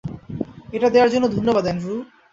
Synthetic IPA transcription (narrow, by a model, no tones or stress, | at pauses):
eʈad̪ewaɾd͡ʑonːod̪ʱonːobad̪ɛnɾu